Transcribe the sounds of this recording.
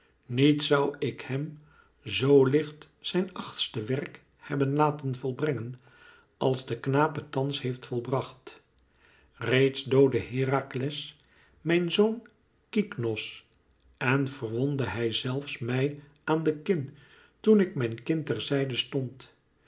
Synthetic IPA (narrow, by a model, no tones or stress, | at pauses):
nitsʌwɪkhɛm | zowlɪχt | sɛjnɑχtstəʋɛrk | hɛbənlaːtənvɔlˠbrɛŋən | ɑlˠzdəknaːpətɑnshejftfɔlˠbrɑχt | rejtsdowdəɦɪːraːklɛs | mɛjnzown | kiknɔs | ɛnvərʋɔndəɦɛjzɛlˠfsmɛj | ʔaːndəkɪn | tunɪk̚mɛjnkɪntɛrzɛjdəstɔnt